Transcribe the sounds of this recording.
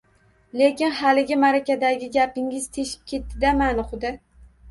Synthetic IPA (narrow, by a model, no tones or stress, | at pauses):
le̞kʲɪnhalɪɡʲɪmaɾakʲad̪aɡʲɪɡʲapɪŋɪzt̪ʰe̞ʃɪ̥p̚kʲʰe̞t̪ːɪd̪amanɪχʊd̪ɪ